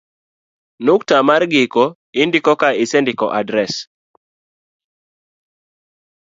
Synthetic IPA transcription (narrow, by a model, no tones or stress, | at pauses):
nuktamarɡɪkɔ | ɪndɪkɔkaɪsɛndɪkɔ̰ʔadɾɛs